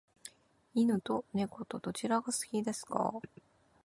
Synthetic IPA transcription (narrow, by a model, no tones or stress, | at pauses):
inɯ̟t̪o̞ne̞ko̞t̪o̞d̪̥o̞t͡ɕiɾaɡasɨ̥kʲid̪e̞sɨ̥ka̰